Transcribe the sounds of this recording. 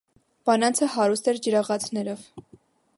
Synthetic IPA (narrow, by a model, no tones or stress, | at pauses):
b̥ɑnɑnt͡sʰəhɑɾust̪ɛɾd͡ʒəɾɑʁɑt͡sʰnɛɾɔv